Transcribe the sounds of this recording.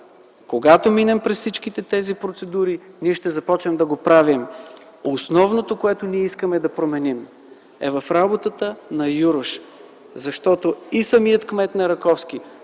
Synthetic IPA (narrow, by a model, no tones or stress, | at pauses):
koɡat̪ominɛmpɾɛssit͡ʃk̟it̪ɛt̪ɛzipɾot̪sɛd̪uɾiniɛʃt̪ɛzɐpɔt͡ʃnɛmd̪ɐɡopɾavim | osnɔvnot̪okoɛt̪oniɛiskəmɛd̪ɐpɾomɛnim | ɛ̰vɐfɾabot̪ət̪ənɐjuɾʊʃ | zɐʃt̪ɔt̪oisɐmiət̪kmɛt̪nɐɾɐkɔfskʲi